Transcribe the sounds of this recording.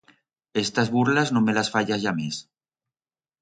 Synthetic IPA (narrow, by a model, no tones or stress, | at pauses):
est̪azβuɾlaznomelasfaʎaʝames